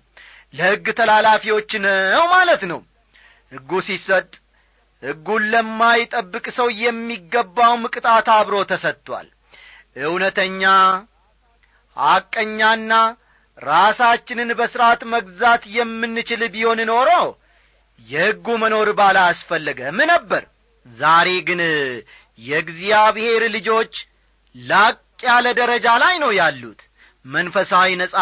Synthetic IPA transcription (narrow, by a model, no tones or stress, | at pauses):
ləhɨɡːɨt̪ʰəlalafiwo̞t͡ʃːnwmalət̪nəw | hɨɡːusisət̪ʼ | hɨɡːunlːəmːajɪt̪ʼəbːɨkʼsəwjɛmːiɡːəbːawmɨkʼɨt̪ʼat̪aβɾo̞t̪ʰəsət̪ʼːwa̰l | ʔɨwnət̪ʰəɲːa | hakʼːəɲːanːa | ɾasat͡ʃːɪnɨnbəsɨɾat̪məɡzat̪jɛmːɨnːɨt͡ʃɪlbiho̞nɨno̞ɾow | jɛhɨɡːuməno̞ɾbalaasfəlːəɡəmɨnəbːəɾ | zaɾe̞ɡɨn | jɛɡzijabɨhe̞ɾlɨd͡ʒo̞t͡ʃː | lakʼːjaləd̪əɾəd͡ʒalajnəwjalːut̪ | mənfəsawinəsʼa